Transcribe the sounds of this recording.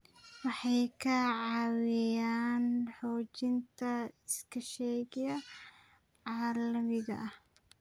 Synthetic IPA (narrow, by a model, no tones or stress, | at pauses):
wɑħɑjkʰɐʕɑːwɪjaːnħɔːt͡ʃɪnt̪ʰɐɪskʰɐʃɛɣɪjɐ | ʕaːlɐmɪɣɐ̰ʔɐh